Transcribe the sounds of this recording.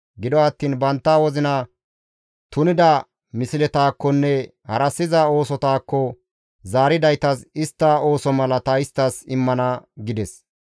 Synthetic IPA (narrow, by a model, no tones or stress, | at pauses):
ɡɪd̪ɔɐt̪ːiːnbɐnt̪ːawɔzɪnɐ | t̪ʊnɪd̪ɐ | mɪsɪlɛt̪aːkːɔnːɛ | hɐɾɐsːɪzɐo̞ːsɔt̪aːkːɔ | zaːɾɪd̪ɐjt̪ɐsɪst̪ːɐo̞ːsɔmɐlɐt̪ɐɪst̪ːɐsɪmːɐnɐɡɪd̪ɛs